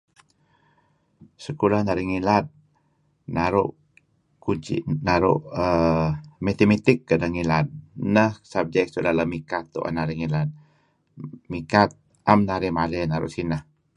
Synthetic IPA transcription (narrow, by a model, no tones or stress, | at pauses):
səkulahnaɾiŋilat̪̚ | naɾṵʔ | kuɲt͡ʃḭnaɾʊ̰ʔə | met̪emit̪ɪkːədəŋilat̪̚nəhsab̚d͡ʒɛk̚sudalamikat̪ːṵʔa̰naɾiŋilat̪̚ | mikat̪̚ | ʔamnaɾimalɛnaɾṵʔsinəh